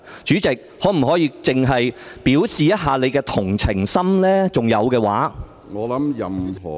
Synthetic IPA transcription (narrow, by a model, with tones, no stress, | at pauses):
t͡ʃyː˨˥t͡sɪ˨k̚hɔː˨˥m̩˨˩ɦɔː˨˥jiː˧t͡sɪ˨ŋɦɐ˨jpiː˨˥wsiː˨jɐ˥t̚ɦaː˨˧le˨˧jkɛː˧t̪ʰʊ˨˩ŋt͡sʰɪ˨˩ŋsɐ˥mlɛː˥t͡sʊ˨ŋjɐ˨˧wkɛː˧waː˨˥ | ŋɔː˨˧lɐ˨˦mjɐ˨mɦɔ̰ː˨˩